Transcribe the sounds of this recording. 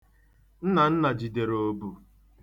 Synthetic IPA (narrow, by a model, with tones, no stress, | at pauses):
n̩˦na˨n̩˦na˨d͡ʒi˨de˨ɾo˦bu˨